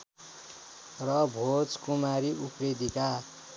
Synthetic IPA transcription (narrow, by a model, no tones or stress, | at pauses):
rʌbʱod͡zkumaɾiʔupred̪ika